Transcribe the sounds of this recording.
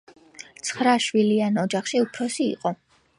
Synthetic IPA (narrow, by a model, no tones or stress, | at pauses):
t̪sʰχɾaʃwilianɔd͡ʒaχʃiupʰɾɔsḭːqʼɔ